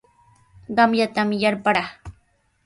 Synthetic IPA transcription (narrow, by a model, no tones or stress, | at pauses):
ɢɑmjat̪amjaɾpaɽaː